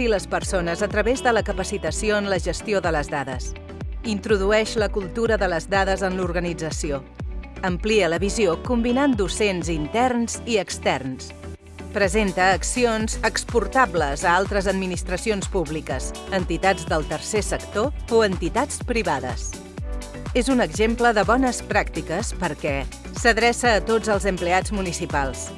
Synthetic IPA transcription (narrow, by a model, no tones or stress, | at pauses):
iləspəɾsonəzət̪ɾəβezðələkəpəsit̪əsioənləʒəst̪ioðələzðaðə̰s | int̪ɾuðuɛʃləkulˠt̪uɾəðələzðaðəzənluɾɣənid͡zəsio | əmpliələβiziokumbinand̪usenzint̪ɛrnziəkst̪ɛrns | pɾəzent̪əːksionzəkspuɾt̪abləzəalˠt̪ɾəzəd̪minist̪ɾəsionspuβlikəzənt̪it̪ad͡zd̪əlˠt̪əɾsesəkt̪ooənt̪it̪at͡spɾiβaðə̰s | ezunəɡʒempləðəβɔnəspɾakt̪ikəspəɾkɛ | səðɾɛsəːt̪od͡zəlˠzəmplead͡zmunisipalˠs